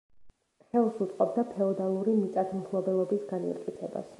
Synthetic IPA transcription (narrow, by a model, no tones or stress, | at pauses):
χɛlˠsut̪sʼqʼɔb̚d̪apʰɛɔd̪alˠuɾimit̪sʼat̪ʰmpʰlˠɔbɛlˠɔbisɡanḭt̪kʼit̪sʰɛba̰s